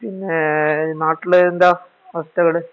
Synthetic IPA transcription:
pinːenaːʈːilend̪aː | ʋɐst̪ɐɣɐɭe

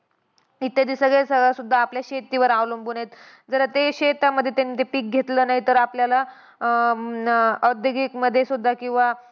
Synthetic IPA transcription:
it̪jad̪isəɡɭɛesəɡɭasud̪ʱːaːpljaɕet̪ːiʋəɾaʋlumbunet̪ | d͡zəɾət̪eɕet̪aməd̪ʱːjet̪janːit̪epiːk̚ɡʱet̪lənaɦit̪əɾapljala | əd̪jəɡikməd̪ʱːjesud̪ʱːakĩw̃ʋa

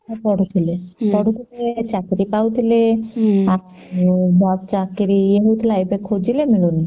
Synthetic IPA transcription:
pɔɽut̪ʰilepɔɽut̪ʰilet͡ʃakɾipaut̪ʰilea | bʱɔt̪̚t͡ʃakːiɾieɦut̪ʰlajbekʰod͡ʒilemiɭuni

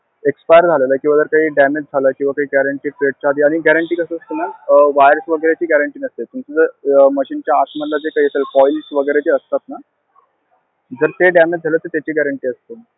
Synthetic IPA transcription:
ekspajəɾd͡zʱaleləːkĩwʋad͡zəɾkaɦiːɖæmed͡zd͡zʱaləːkĩw̃ʋakaɦiːɡæɾəɳʈiːpɾeʈ̚t͡ɕaːd̪ʱiːaɽ̃iɡæɾəɳʈiːkəsəəst̪ənaʋajɾəsʋəɡəɾjat͡ɕiːɡæɾəɳʈiːnəst̪et̪umt͡səd͡zəɾməɕiːnt͡ɕjaːsmənlad͡zekaɦiːəselkɔilsʋəɡəjɾet͡ɕeːəst̪at̪na | d͡zəɾt̪eɖæmed͡ʑd͡zʱaləːt̪ət̪at͡ɕiːɡæɾəɳʈiːəst̪ə

